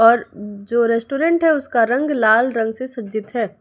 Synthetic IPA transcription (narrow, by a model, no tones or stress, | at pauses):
ɔːɾd͡ʒoːɾɛːsʈoːɾẽɳʈɦɛʊskaɾɐ̃ŋɡlaːlɾɐ̃ŋɡsesɐtːd͡ʒɪt̪ɦɛː